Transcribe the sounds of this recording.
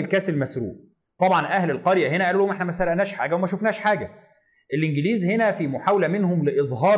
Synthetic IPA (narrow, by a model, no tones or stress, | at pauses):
lkæːselmæsɾṵːʔ | t̪ˤɑbʕɑnʔæhlelqɑɾjæɦenæʔæluːohomʔeħnæmæst̪æɾæʔnæːʃħa̰ːɡæwemæʃofnæːʃħaːɡæ | ʔelʔɪnɡɪliːzhenæfimoħawlæmenhomlɪʔezˤɦɑːɾ